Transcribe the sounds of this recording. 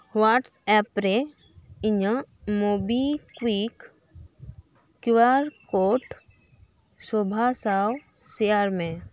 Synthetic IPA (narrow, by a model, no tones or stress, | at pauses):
waːʈsɛpɾe | iɲəmobikwik | iwaɾkoːʈ | sobʱasaw | seaɾmẽ